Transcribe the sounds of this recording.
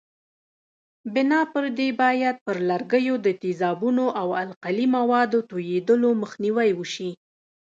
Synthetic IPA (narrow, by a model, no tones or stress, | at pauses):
bɪnɑpəɾd̪ebɑjad̪̚pəɾlaɾɡəjod̪ət̪izɑbunoʔawalqalimawɑd̪ot̪ojed̪əloməxniwajwəʃi